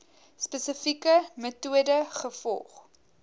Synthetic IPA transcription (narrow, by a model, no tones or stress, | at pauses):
spəsəfikəmətuədəχəfɔ̰lˠχ